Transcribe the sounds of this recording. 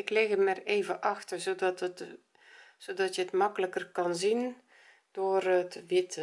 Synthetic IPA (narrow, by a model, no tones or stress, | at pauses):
ɪklɪɣəmɛreːvəʔɑxtərzodɔtət | sodɔtjəətmɑkələkərkɑnzin | d̥oərətʋɪtə